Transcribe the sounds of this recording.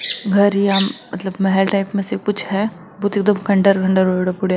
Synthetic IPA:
ɡʱɐɾiamɐt̪ləbmɐɦɛlʈaːɪpmẽsekʊt͡ʃʰɦɛ | buːt̪eːk̚d̪əmkɐ̃ɳɖəɾɡʰʱəɳɖəɾoɽapʊɽa

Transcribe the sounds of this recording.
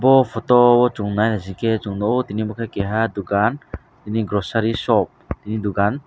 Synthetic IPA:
bɔpʰɔtɔbɔt͡ʃuŋnajnazikɛt͡ʃuŋnɔot̪inimɔkʰajkɛɦad̪uɡan | tiniɡɾɔsaɾisɔp̚t̪inid̪uɡan

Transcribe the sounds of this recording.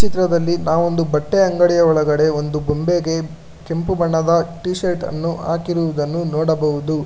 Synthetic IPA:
t͡ʃit̪ɾɐd̪ɐlːinaːʋond̪ubɐʈːeɐŋɡɐɽijɐɔɭɐɡɐɽe̞o̞nd̪ubombeɡe̞ | ke̞mpubɐɳːɐd̪ɐʈiːʃɐɾʈɐ̰nːua̰ːkiɾuʋud̪ɐnːunɔːɽɐbɐɦud̪u

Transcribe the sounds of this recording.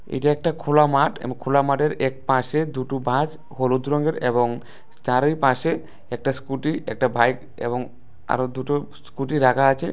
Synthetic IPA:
ḛjʈaɛk̚ʈakʰolamaʈḛkʰolamaʈeɾɛk̚paʃed̪uʈubʱad͡ʑ | ɦolod̪ɾoŋɡeɾḛboŋ | t͡ɕaɾojpaʃe | ɛk̚ʈaskuʈiɛk̚ʈabʱajk | ḛboŋ | a̰ɾod̪uʈo | skuʈiɾakʰaat͡ɕʰe

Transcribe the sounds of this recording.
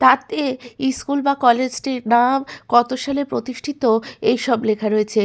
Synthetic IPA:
t̪at̪eiskulbakɔled͡ʑʈiɾnamkɔt̪oʃalepɾot̪iʃʈʰit̪oejʃɔblekʰaɾoet͡ɕʰe

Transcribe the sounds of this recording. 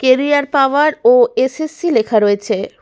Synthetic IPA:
keɾiaɾpaaɾoesesːilekʰaɾoet͡ɕʰe

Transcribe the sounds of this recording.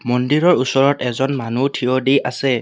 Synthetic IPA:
mɔndiɹɔɹusɔɹɔtɛzɔnmanutʰiɔdiʔasɛ

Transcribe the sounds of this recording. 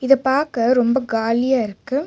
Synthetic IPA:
ɪðɐpaːɾkɐɾɔmbɐɡaːlɪjaːɪɾɯkːɯ

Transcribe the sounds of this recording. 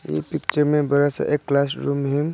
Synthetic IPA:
ḛpik̚t͡ʃəɾmebəɾasa̰ʔekːlasɾumɦiŋ

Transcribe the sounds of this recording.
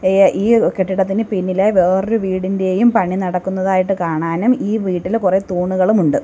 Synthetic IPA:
iːkeʈːiɽɐt̪̬ːinɨpinːileʋeːruʋiːɽinde̞jumpɐɳːinɐɽɐkːunːɐðaːjiʈːɨkaːɳaːnumiːʋiːʈːilkure̞t̪uːɳːuɣɐɭumuɳɖɨ

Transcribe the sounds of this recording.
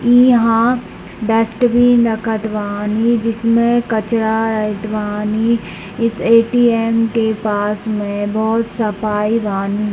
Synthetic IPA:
iːɦã | ɖɐsʈbʱinɐkʰət̪ʋaanid͡ʒɪsmẽkɐt͡ʃɾaɾɐɪʈ̪ʋaːni | ɪseːʈiːeːmkepaːsmẽbɔːt̪sɐpaːiʋaːni

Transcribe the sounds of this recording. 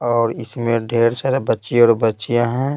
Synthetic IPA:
ɔːɾɪsmẽɖʱeːɾsaɾbətːʃiɔːɾbətːt͡ʃijãɦɛ̃ː

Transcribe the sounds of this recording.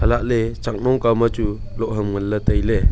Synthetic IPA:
həlaʔlet͡ʃak̚nɔŋkamat͡ʃu | lɔʔɦəmŋəlːətəjle

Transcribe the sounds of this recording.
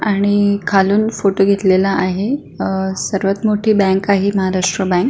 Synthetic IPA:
aɽ̃ikʰaluːnfoʈoɡʱet̪lelaʔaɦe | səɾʋət̪moʈʰiːbɛ̃ŋkaɦeməɦaɾaʂʈɾəbɛ̃ŋk̚

